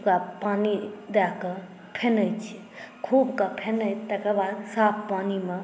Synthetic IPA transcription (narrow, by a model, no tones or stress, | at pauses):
kapaːnid̪akə | pʰenəjt͡ʃʰi | kʰuːbkapʰenəjt̪əkəbaːd̪saːpʰpaːnime